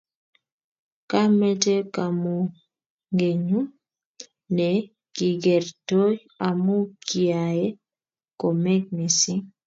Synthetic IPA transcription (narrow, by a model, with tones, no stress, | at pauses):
ka˦mɛ˦te˦ka˨mu˨ | ŋɡe˨ɲu˦ | nɛ˨ | ki˨ɡɛ˨ɾto˦j | a˨mu˦ki˨a˨e˦ | ko˨mɛ˦k̚ni˨si˦